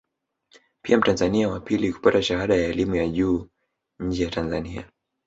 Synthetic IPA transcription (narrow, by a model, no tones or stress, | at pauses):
piam̩tanzaniawapiliku̥pataʃahaɗajaɛlimujaʄuː | ɲ̩d͡ʒɛjatanzania̰